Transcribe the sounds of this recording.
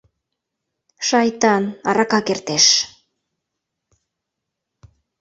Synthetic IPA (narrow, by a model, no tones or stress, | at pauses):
ʃɑjt̪ɑnɑɾɑkɑkert̪eʃ